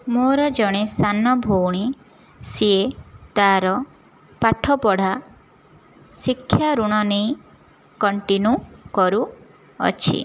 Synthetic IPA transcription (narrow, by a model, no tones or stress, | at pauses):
moɾɔd͡ʒɔɽ̃esanɔbʱowɽ̃i | siet̪aɾɔ | paʈʰɔpɔɽ̤a | sikʰːjaɾuɽ̃ɔnej | kɔɳʈinjukɔɾu | ɔ̰t͡ʃʰḭ